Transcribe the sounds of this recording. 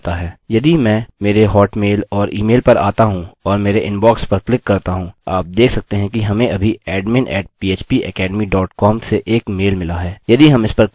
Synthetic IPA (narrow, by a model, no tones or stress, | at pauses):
t̪aɦɛːjɐd̪imɛ̃ːmeːɾeɦɔːʈmeːlɔːɾiːmeːlpɐɾa̰ːt̪aɦũɔːɾmeːɾeʔɪ̃nbɔːkspɐɾklɪkːɐɾt̪aɦũaːp̚d̪eːkʰsɐk̚t̪eɦɛ̃kiɦɐmẽɐbʱiɛːɖmɪ̃nʔɛ̰ːʈ̚piːeːt͡ʃpiʔɛ̰kɛːɖmiɖɔːʈkɔːmseʔeːkmeːlmɪlaɦɛːjɐd̪iɦɐmɪspɐɾ